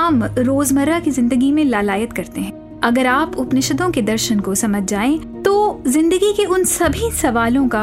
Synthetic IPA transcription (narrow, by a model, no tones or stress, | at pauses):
ɐmɾoːzmɐɾakizɪ̃nd̪əɡimẽlaːlaːjət̪kɐɾt̪eɦɛ̃ | ɐɡəɾaːpʊpnɪʃəd̪õked̪ɐɾʃənkosɐməd͡ʒʱd͡ʒaːẽ | t̪oːzɪ̃nd̪əɡikeʊnsɐbʱisɐʋaːlõka